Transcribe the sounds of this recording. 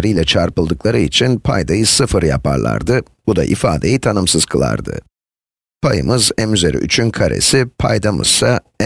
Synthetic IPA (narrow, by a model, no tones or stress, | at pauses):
ɾɯjlʲɛt͡ʃʰaɾpɯlˠd̪ɯklˠaɾɯit͡ʃʰinpʰajd̪ajɯsɯfɯɾjapʰaɾlˠa̰ɾd̪ɯ | b̥ud̪a̰ʔifaːd̪e̞jit̪ʰanɯmsɯz̥kʰɯlˠa̰ɾd̪ɯ̰ | pʰajɯ̰mɯzɛmyzeɾḭʔyt͡ʃʰynkʰaɾe̞̰sipʰajd̪amɯ̰z̥sa